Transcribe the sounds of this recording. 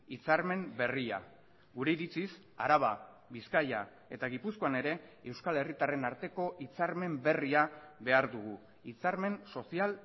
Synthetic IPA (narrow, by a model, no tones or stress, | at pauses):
it͡saɾme̞mbe̞ria̰ | ɡuɾe̞iɾit͡sis | a̰ɾaβa | βiskaja̰ | e̞t̪aɣ̞ipusko̞ane̞ɾe̞ewskale̞rit̪are̞naɾt̪e̞ko̞ʔit͡saɾme̞mbe̞riaβe̞aɾðuɣ̞u | it͡saɾme̞nso̞sial